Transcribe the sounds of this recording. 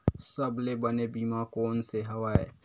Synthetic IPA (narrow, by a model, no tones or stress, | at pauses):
sɐblebɐnebiːmakoːnseɦɐʋaːɛ̰ː